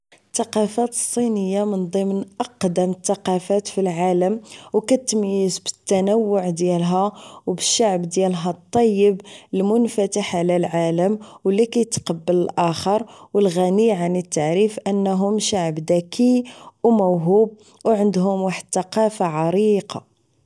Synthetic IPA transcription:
t̪ːɑqɑfæt̪ə̥sˤːinəjːamənd̪ˤəmnʔɑqd̪əmət̪ːɑqɑfæt̪filʕaləmwkæt̪ːəmjəsbə̥t̪ːænəwːʊʕd̪jælɦæwbəʃːaʕbd̪jælɦæt̪ˤːɑjːəblmʊnfæt̪əħʕlælʕaləmwəlːikæjt̪qɑbːələlʔæxəɾˤwəlɣæniʕanit̪ːaʕɾifʔənːɦʊmʃaʕəbd̪ækʰiwmæwɦub̚ | wʕənd̪ɦʊmwaħəd̪t̪ɑqɑfaʕɑɾiqɑ

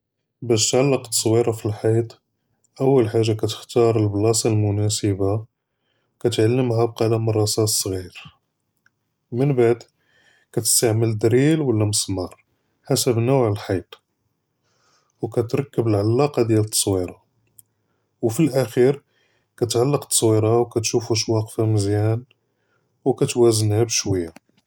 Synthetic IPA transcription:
bæʃt̪ʕalːəqt̪ːˤɑ̥sˤwiɾɑfilħɑjt̪ˤ | ʔəwːəlħaʒːakæt̪ə̥xt̪ɑɾˤəlblɑsˤɑlmʊnæsəba | kæt̪ʕalːəmɦab̚qɑlæmʊrˤːɑsɑsˤɣiɾ | mənbaʕd̪ | kæt̪ə̥st̪aʕməld̪ɾilwəlːæməsˤmɑɾˤ | ħasəbnuʕəlħɑjt̪ˤ | wkæt̪ɾˤɑkːəbəlʕalːɑqɑd̪jælət̪ˤːɑ̥sˤwiɾˤɑ | wfilʔæxiɾ | kæt̪ʕalːəqt̪ːˤɑ̥sˤwiɾɑwkæt̪ʃufuʃwɑqfæməzjæn | wkæt̪wæzənhæbʃwəjːa

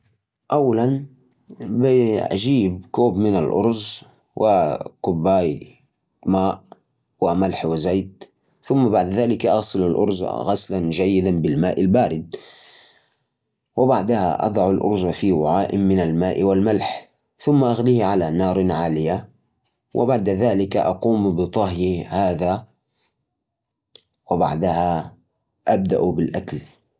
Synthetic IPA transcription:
ʔawːalan | bɪʔa̰d͡ʒiːb̚kuːbmɪnalʔʊ̰ɾˤz | wʔɪkʊbːaːj | maːʔ | wɪmalħwɪzajt̪̚ | θʊmːabaʕd̪ðaːlɪkʔaɣsɪlalʔʊ̰ɾˤzɣaslanʒajːɪd̪anbɪlmaːʔɪlbaːɾɪd̪̚ | wɪbaʕd̪aha̰ʔɑ̰d̪ˤɑʕalʔʊ̰ɾˤzafiwaʕaːʔɪmɪnalmaːʔwalmalħ | θʊmːaʔaɣlihʕalanɑːɾˤnʕaːlɪja | wʔɪ̰baʕd̪aðaːlɪkaʔɑquːmbɨt̪ˤɑɦjihaːða | wɪba̰ʕd̪aha | ʔab̚d̪a̰ʔbɪlʔakal

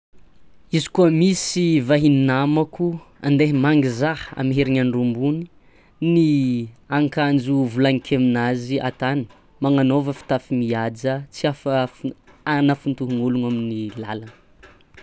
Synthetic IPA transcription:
izi̥kuəmisivaɦininamaku | a̰nd̪eɦimaŋɡizaha̰miɦeɾiɲanɖ͡ʐumbuni̥ | niaŋkand͡ʒuvulaŋikʰeminaziʔa̰t̪anə̥ | maŋanovəfi̥t̪afimiad͡zət͡siaf | anafunt̪uɦuŋuluŋaminila̰lanə̥

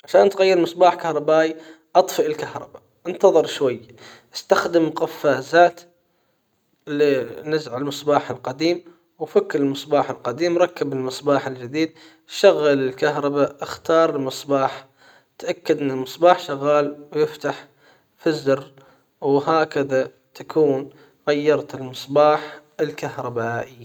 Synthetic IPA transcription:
ʕaʃaːnt̪ɣajːɪɾmɨsˤbaːħkahɾˤɑbaːʔi | ʔɑt̪ˤfɪʔɪlkahɾˤɑ̰ba | ʔɪnt̪ɑðˤɨɾʃwajː | ʔɪ̥st̪axd̪ɪmqafːaːzaːt̪ | linɪzʕalmɨsˤbaːħɪlqɑd̪iːm | wfakːɾɪlmɨsˤbaːħɪlqɑd̪iːmɾˤɑkːabɪlmɨsˤbaːħɪld͡ʒɪd̪iːd̪̚ | ʃaɣːalɪlkaɦɾˤɑbaʔɪxt̪ɑːɾˤɪlmɨsˤbɑːħ | t̪ʔakːad̪ʔɪnːɪlmɨsˤbɑːħʃaɣːaːlwjɪft̪aħ | fɪzɾ | wɦaːkaða | t̪ʰakʰuːn | ɣajːɑɾˤt̪ɪlmɨsˤbɑːħ | ɪlkahɾˤɑbaːʔɪːa

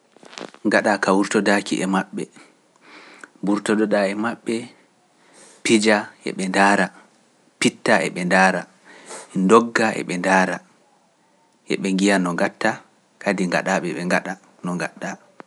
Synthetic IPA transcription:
ŋɡaɗakawuɾtɔdakḭʔɛmaɓːɛ̰ | buɾtɔɗɔɗaɛmaɓːɛ | pid͡ʒaɛ̰ɓɛndaɾa | pitːaɛ̰ɓɛndaːɾa | ɛndɔɡːaʔɛ̰ɓɛndaːɾa | ʔɛ̰ɓɛŋɡijanɔŋɡatːa | kʰadiŋɡa̰ɗaɓɛɓɛŋɡaɗa | nɔŋɡaɗːa

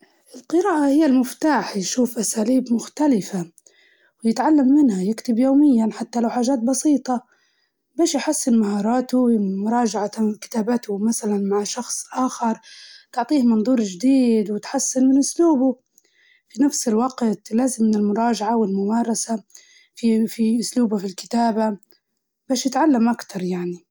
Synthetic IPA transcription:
ʔɪlqɨɾaːʔahɪjːalmʊft̪aːħjʃuːfʔasaːliːbmʊxt̪alɪfa | wɪjɪt̪ʕalːamːɪnhajɪkt̪ɪbjoːmɪjːanħat̪ːalawħaːʒaːt̪̚bɑsiːt̪ˤɑ | beːʃjħasːɪnmahɑːɾˤɑːt̪ʊwmʊɾˤɑːd͡ʒaʕat̪akɪ̥t̪aːbat̪ʊmaθalanmaʕʃɑxsˤʔaːxɪɾˤt̪ʊʕt̪ˤiːhmɑnðˤuːɾˤd͡ʒɪd̪iːd̪wɪt̪ħasːɪnmɪnʔʊsluːbʊ | finafsɪlwɑɡt̪laːzɪmːɪnɪlmʊɾˤɑːʒaʕawɪlmʊmɑːɾˤɑsa | fifiʔʊsluːbafilkɪ̥t̪aːba | baːʃjɪt̪ʕalːamʔakt̪ɑɾˤjaʕni

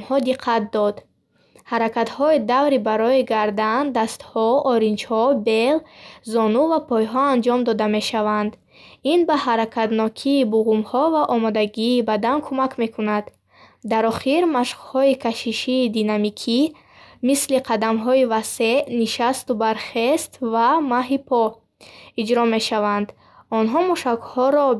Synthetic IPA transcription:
mhɔd̪iqʰːat̪̚d̪ɔd̪ | haɾakat̪hɔid̪avɾibaɾɔiɡaɾd̪and̪ast̪hɔɔɾind͡ʒhɔbe̞lzɔnuvapʰɔjɦɔand͡ʒɔmd̪ɔd̪ame̞ʃavand̪ | inbahaɾakʰat̪nɔkʰiːbuʁumhɔvaʔɔmɔd̪aɡiːbad̪ankʰumakme̞kʰunad̪ | d̪aɾɔχiɾmaʃχhɔikʰaʃiʃiːd̪inamikʰi | misliqʰad̪amɦɔivase̞niʃast̪ubaɾχest̪vamaɦipʰɔ | id͡ʒɾɔme̞ʃavand̪ | ɔnɦɔmuʃakhɔɾɔ

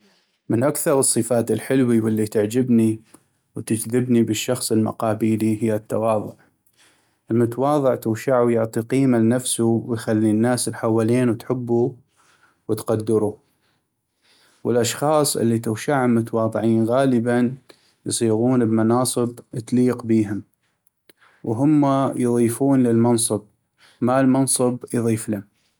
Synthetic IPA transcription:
mənʔakθɑɾˤɨsˤːɨfaːt̪ɪlħɪlwiwɪlːit̪ɪʕd͡ʒɪbni | wt̪ɪd͡ʒðɪbnibəʃːɑxsˤɨlma̰qɑːbiːliɦɪjːat̪ːawɑːðˤʊʕ | ʔɪlmʊt̪awɑːðˤɨʕt̪ʊːʃaʕujʊʕt̪ˤiqiːmalnafsuwɪjxalːinːaːslħawːaliːnwt̪ħɪbːu | wət̪qad̪ːɪɾu | wəlʔɑʃxɑːsˤʔɪ̰lːit̪ʊwʃaʕʊlmʊt̪awɑːðˤɨʕiːnɣaːləban | jsˤiːɣuːnəbmɑnɑːsˤɨbʔt̪liːqbiːɦʊm | wɦʊmːajðˤiːfuːnlɪlmɑnsˤɨb̚ | malmɑnsˤɨbjðˤiːflɪm

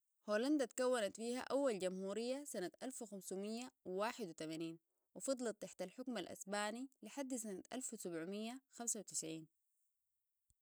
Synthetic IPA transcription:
hoːland̪at̪kawːanat̪fiːha̰ʔawːalɟamhuːɾijːasanat̪ʔalfwixamsumijːawwaːħɪd̪wit̪amaniːn | wifɑd̪ˤlɑt̪ːaħt̪alħʊkmalʔa̰sbaːniliħad̪ːsanat̪ʔa̰lfwisabʕumijːaxamsawit̪ɪ̥sʕiːn

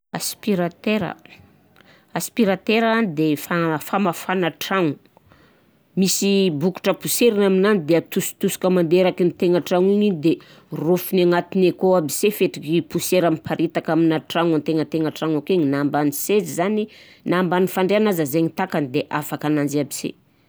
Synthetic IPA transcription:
a̰spiɾat̪eɾə̰ | aspiɾat̪eɾaanid̪efafamafanaʈ͡ʂaŋu | misibuku̥ʈ͡ʂəpuseɾinaminanid̪eat̪usu̥t̪usi̥kəmand̪eɾakinit̪eŋaʈ͡ʂaŋuɲid̪e | rufunaŋat̪inekoabisefeʈ͡ʂikipuseɾamipʰaɾʔet̪akaminaʈ͡ʂaŋant̪eŋət̪eŋaʈ͡ʂaŋakeɲinambanisezizani | nambanifaɳɖ͡ʐeanazəzeɲit̪akanid̪eʔafakanand͡ʒabisḛ

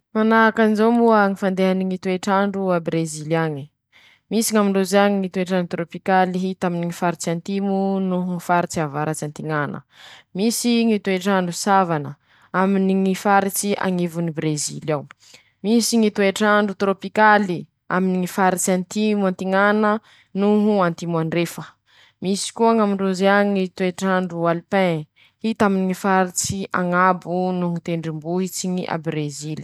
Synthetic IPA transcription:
manaɦakanizombuəŋifand̪eɦaniŋit̪ueʈ͡ʂaɳɖ͡ʐuabɾeziliaɲi | misiŋamiɳɖ͡ʐozaɲiŋit̪ueʈ͡ʂaɳɖ͡ʐut̪ɾopikaliɦit̪aminiŋifaɾit͡sant̪imunuŋifaɾit͡siavaɾat͡sant̪iŋanʔə̰ | misiŋit̪ueʈ͡ʂaɳɖ͡ʐusavanə | aminiŋifaɾit͡sia̰ŋivunibɾezilaw | misiŋit̪ueʈ͡ʂaɳɖ͡ʐut̪ɾopikali | aminiŋifaɾit͡siant̪imuant̪iŋanə | nuɦuant̪imwaɳɖ͡ʐefə | misi̥kuaŋamiɳɖ͡ʐuzeaŋit̪ueʈ͡ʂaɳɖ͡ʐualipɛ̃ | hit̪aminiŋifaɾit͡siʔaŋabunuɦut̪eɳɖ͡ʐimbuɦit͡siŋiʔa̰bɾezili̥

